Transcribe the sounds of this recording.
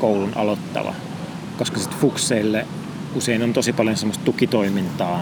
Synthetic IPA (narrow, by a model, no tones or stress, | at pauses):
koulunɑ̰lot̪ːɑ̰ʋɑ̰ | koskɑsit̪fukseilːe | useinont̪osipɑljonsemːost̪t̪ukit̪oimint̪ɑː